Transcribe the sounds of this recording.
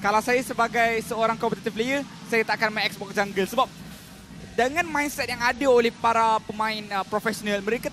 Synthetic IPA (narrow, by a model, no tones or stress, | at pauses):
kalawsajasəbaɡajsəoɾaŋkɔpət̪at̪ifləjə | sajat̪aʔkanmãɛk̚sbɔk̚d͡ʒaŋɡəlsəbap̚ | dəŋãnmãinsɛt̪̚jaŋadaolɛhpaɾapəmãɪnpɾofɛsonalmə̃ɾeka